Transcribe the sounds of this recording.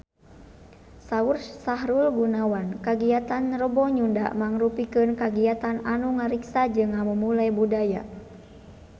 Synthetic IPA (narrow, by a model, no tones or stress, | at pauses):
saursaɦɾulɡunawankaɡiat̪anrəbɔɲunda̰ʔmaŋɾupikɨnkaɡiat̪ananuŋaɾiksad͡ʒɨŋːaməmulajbudaja̰